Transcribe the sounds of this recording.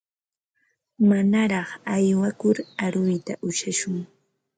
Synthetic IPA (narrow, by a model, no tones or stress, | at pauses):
manaɾɑχajwakʊɾaɾʊjt̪aʔʊʃaʃʊŋ